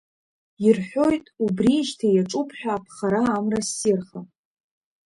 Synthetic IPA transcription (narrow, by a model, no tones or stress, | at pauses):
irħʷᶣo̞jtʼubriʒtʰajaʈ͡ʂʼupʰħʷᶣaːpʰχaɾaːmrasːirχa